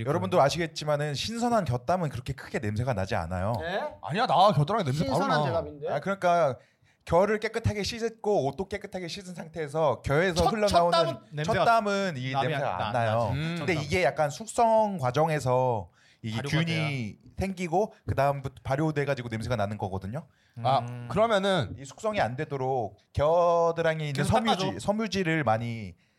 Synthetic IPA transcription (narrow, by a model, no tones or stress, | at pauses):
jʌɾʌbundoɾaɕʰiɡe̞t̚t͡ɕ͈imanɯnɕʰinsʰʌnɦankjʌt͈amɯnkɯɾʌkʰe̞kʰɯɡe̞ne̞msʰe̞ɡana̰d͡ʑia̰na̰joa̰ɲanakjʌdɯɾaɡenemsʰepaɾonindeakɯɾʌɲik͈a | kjʌɾɯɭk͈e̞k͈ɯtʰaɡeɕʰisʰɯt̚k͈oːt͈ok͈e̞k͈ɯtʰaɡeɕʰisʰɯnsʰaŋtʰe̞ːs̬ʰʌkjʌe̞s̬ʰʌɸuʎːʌnaoɯnt͡ɕʰʌt͈amɯninesʰeɡa̰a̰nːajoɯnde̞iɡe̞jak̚k͈ansʰuk̚s͈ʌŋkwad͡ʑʌŋe̞s̬ʰʌ | iɡekjuɲisʰe̞ŋɡiɡokɯdaɯmbutʰpaɾjode̞ɡad͡ʑiɡonemsʰeɡananɯnɡʌɡʌdɯɲo | kɯɾʌmjʌnɯnisʰu̥k̚s͈ʌŋiandwe̞doɾok̚k͈eʌdɯɾaŋeinɯnsʰʌmd͡ʑisʰʌmjud͡ʑiɾɯɭmaɲi